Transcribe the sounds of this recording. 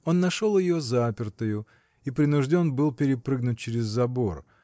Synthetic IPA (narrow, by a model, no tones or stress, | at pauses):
o̞nːɐʂo̞lˠjɪjo̞zapʲɪrt̪əjʊ | ipɾʲɪnʊʐdʲo̞nbɨlˠpʲɪɾʲɪpɾɨɡnʊt̚ʲt͡ɕɪɾʲɪzːɐbo̞r